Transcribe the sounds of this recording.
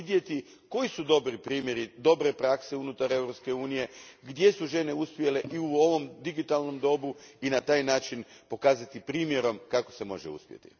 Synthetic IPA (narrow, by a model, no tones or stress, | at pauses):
id̪je̞t̪i | ko̞jisud̪o̞bɾipɾiːmje̞ɾid̪o̞bɾe̞pɾakse̞unut̪aɾe̞ʋɾo̞pske̞uːnije̞ɡd̪je̞suʒe̞ne̞uspjeleʔiuo̞ʋo̞md̪iɡit̪alno̞md̪o̞buinat̪aːjnaːt͡ʃinpo̞kaːzat̪ipɾiːmje̞ɾo̞mkako̞̥se̞mo̞̰ʒeṵspʲje̞̰t̪ḭ